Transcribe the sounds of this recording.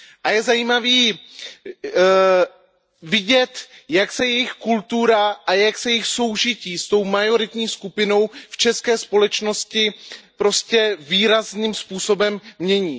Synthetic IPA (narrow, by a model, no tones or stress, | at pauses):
ʔajɛzajiːmaviː | vɪɟɛt̪jaksɛjɛjɪxkult̪uɾaʔajaksɛjɛjɪxso̞wʒɪciːst̪o̞wmajo̞ɾɪt̪ɲiːskupɪno̞wft͡ʃɛskɛːspo̞lɛt͡ʃno̞scɪpɾo̞scɛviːɾazniːmspuːso̞bɛmːɲɛɲiː